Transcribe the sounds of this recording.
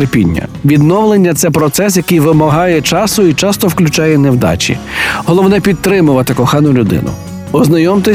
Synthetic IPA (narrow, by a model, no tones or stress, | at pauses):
ɾpʲḭnʲːɐ̰ʋʲid̪nɔʋlˠenʲːɐt̪sɛpɾɔt̪sɛs̬jɐkɨjʋɪmɐɦɑjɛt͡ʃɑsʊit͡ʃɑst̪ɔwklʲʊt͡ʃɑjɛnewd̪ɑ̰t͡ʃʲḭɦɔlˠɔwnɛpʲit̪ːɾɪmʊʋɐt̪ɪkɔxɑnʊlʲʊd̪ɪ̰nʊ̰ | ɔznɐjɔmt̪ɪ